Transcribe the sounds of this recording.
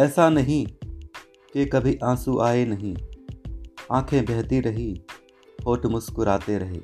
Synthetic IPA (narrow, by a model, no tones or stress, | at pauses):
ɛːsanɐɦĩ | kekɐbʱiʔãːsuʔaːenɐɦĩ | ãːkʰẽbɛɦt̪iɾəɦi | hoːʈmʊskʊɾaːt̪eɾɐɦḛː